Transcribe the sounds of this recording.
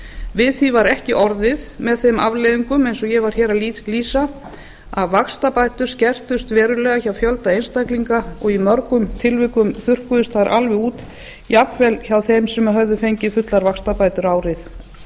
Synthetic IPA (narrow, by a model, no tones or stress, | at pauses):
vɪðθivaɾɛhcɪʔɔɾðɪðmɛðθejmavleðiŋkʏmejnsɔjɛvaɾ̥çɛːɾalliːsa | aðvakst̪apaːjt̪ʏɾ̥scɛr̥t̪ʏst̪vɛːɾʏlɛːɣaçawfjœlt̪aejnst̪akliŋkaɔɣimœɾkʏmt̪ʰɪlvɪːkʏmθʏr̥kʏðʏst̪θaɾʔa̰lvɪuːt̪ | iapvɛlçawθejmsɛmaɦœɥðʏfejɲcɪfʏt̪laɾvakst̪apaːjt̪ʏɾaːwɾɪθ